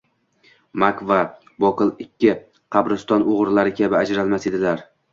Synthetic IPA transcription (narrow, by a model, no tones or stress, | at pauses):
makva | bɒqʰɨlˠɪkʲʰːɪ | qʰɑbɾɪst̪ɒnoʁɾlaɾɪkʲʰabɪad͡ʒɾalmase̞d̪ɪlaɾ